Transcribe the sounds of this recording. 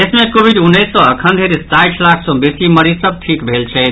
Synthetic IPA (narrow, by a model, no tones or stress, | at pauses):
esmekobʱid̪unːəsːɔ̃əkʰənd̪ʱeɾist̪ajt͡ʃʰlakʰsɔ̃besiməɾisəb̚ʈʰikbʱelt͡ʃʰɛ